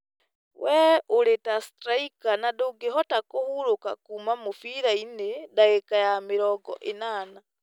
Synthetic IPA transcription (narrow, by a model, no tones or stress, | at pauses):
wʔɛʔoɾetastɾaikanadoɡeɦɔtakohuɾokakumamofiɾainedaekajameɾɔɡɔ̰ʔenaːna